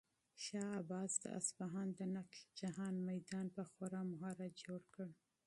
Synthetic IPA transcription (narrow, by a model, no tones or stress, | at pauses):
ʃɑabɑzd̪ə̰ʔa̰sbaɦɑnd̪ənakld͡ʒaɦɑnmajd̪ɑnpəxoɾɑmʊɦɑɾad͡ʒoɽkəɽ